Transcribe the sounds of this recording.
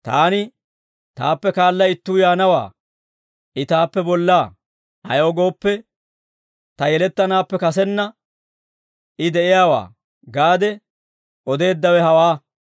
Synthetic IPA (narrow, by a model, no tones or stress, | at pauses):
t̪a̰ːnɪ | t̪a̰ːpːɛkaːlːɐɪt̪ːuːjaːnɐwa̰ː | ʔɪt̪aːpːɛbɔlːaː | ɐ̰joːɡo̞ːpːɛ | t̪ɐjɛlɛt̪ːɐnaːpːɛkɐs̬ɛnːɐ | ɪd̪ɛʔɪjaːwa̰ː | ɡaːd̪ɛ | ʔɔd̪e̞ːd̪ːɐwɛhɐwaː